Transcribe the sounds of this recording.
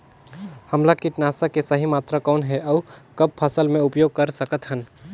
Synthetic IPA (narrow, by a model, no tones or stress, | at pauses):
həmlakiʈnaːsakesəɦimaːt̪ɾakɔːnɦɛʔɔːkəb̚pʰəsəlmẽʊpjoːɡ̚kəɾsəkət̪ɦən